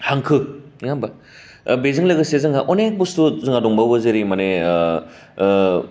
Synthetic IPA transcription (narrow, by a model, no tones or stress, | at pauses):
haŋkʰɯŋambɐ | bezɯŋlɐɡɐsezɯŋa̰ʔonek̚bustuzɯŋadoŋbɐwɐzɯɾimane